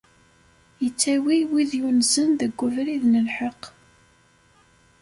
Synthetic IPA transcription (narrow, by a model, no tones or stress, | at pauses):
jət͡sːæwiwiðjunzənðəɡʷːʊvɾiðnəlħəq